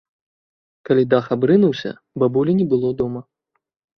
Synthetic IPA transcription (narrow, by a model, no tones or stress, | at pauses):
kalʲid̪axabɾɨnuwsʲɐ̰ | babulʲinʲɛbɨlˠɔd̪ɔmɐ